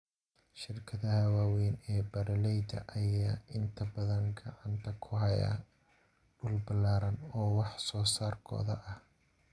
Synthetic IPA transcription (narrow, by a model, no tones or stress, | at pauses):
ʃɪrkʰɐðɐhɐwaːwɛjnɛːbɐɾɐlɛjd̪ɐ̰ʔɐjaːʔɪnt̪ʰɐbɐðɐnɡɐ̰ʕɑnt̪ʰɐkʰʊhɐja̰ː | ɖʊlbɐlaːɾɐnɔːwɑħsɔːsaːrkʰɔ̰ːðɐʔɐh